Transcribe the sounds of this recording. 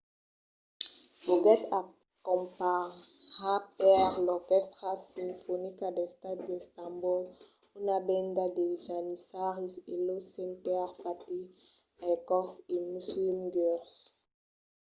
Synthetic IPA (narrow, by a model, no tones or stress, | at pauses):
boɡɛta | kɔ̃mpa | apɛʁlɔʁkɛst̪ʁasĩmfɔnikadest̪at̪̚d̪est̪ãmbul | unabɛ̃ndadeʒanisaʁiselosɛ̃ntɛʁfat̪i | ajkɔsimuslimɡɛʁs